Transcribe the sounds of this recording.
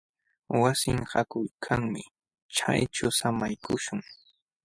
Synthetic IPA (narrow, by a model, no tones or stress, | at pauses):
wasɪŋhakʊjkʰaŋmɪ | t͡ʃa̰jt͡ʃʊsamajkʰʊʃʊŋ